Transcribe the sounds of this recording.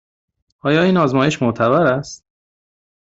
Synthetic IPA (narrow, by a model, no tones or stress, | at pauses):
ɒːjɒːiːnɒːzmɒːjeʃmoʔt̪ʰæβæɾæst̪̚